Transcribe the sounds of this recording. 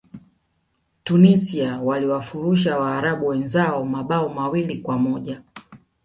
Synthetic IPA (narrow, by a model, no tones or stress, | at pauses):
tunisiawaliwafuɾuʃ̬awaːɾaɓuwɛnzaɔmaɓaɔmawilikwamɔʄa